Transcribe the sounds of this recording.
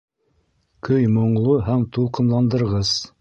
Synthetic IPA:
kɵjmŏɴlˠoɦæmt̪uqɤ̆mlˠɑnd̪ɤ̆ɾʁɤz̥

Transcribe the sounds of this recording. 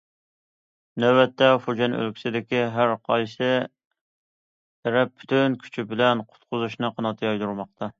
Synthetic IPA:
nɛwɛt̪ʰːɛfod͡ʒɛnø̰lkʲʰi̥sɪd̪ɪkʲiɦæɾqʰɑjsɨ | ɾɛp̚pʰːy̥t̪ʰynkʲʰy̥t͡ʃʰibɪlɛnqʰʊ̥t̪qʰʊzuʃnɨqʰɑnɑt̪ʰːɨjɑjd̪uɾmɑq̚t̪ʰɑ

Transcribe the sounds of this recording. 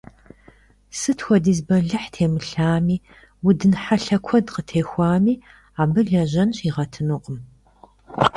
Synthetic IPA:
sɨtʰxʷɔdiːzbɐɮɨħtʰeːmɨɬaːmiː | wʊdɨnħaɬɐkʷʰɔdqətʰeːxʷɑːmiː | aːbɨɮɐʑɐnɕiːʁɐtʰɨnuqʼəm

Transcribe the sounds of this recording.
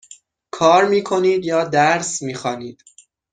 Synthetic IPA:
kʰɒːɾmiːkʰo̞niːd̪jɒːd̪æɾsmiːxɒːniːd̪̥

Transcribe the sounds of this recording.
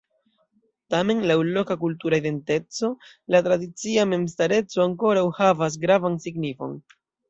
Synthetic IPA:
tame̞nlawlo̞kakultuɾaide̞nte̞t͡so̞ | latɾadit͡siame̞mstaɾe̞t͡so̞aŋko̞ɾawhavas̬ɡɾavansiɡnifo̞̰n

